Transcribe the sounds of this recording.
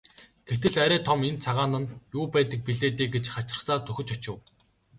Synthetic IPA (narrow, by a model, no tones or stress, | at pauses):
ɡ̥et̪ɘ̆ɮæɾæːt̪ʰɔment͡sʰaʁaːnə̆njuːpæːt̪ə̆k̚piɮeːt̪eːɡet͡ɕχat͡ɕɪ̥̆saːt̪ʰɵxʲɵ̆t͡ɕʊt͡ɕɪ̆w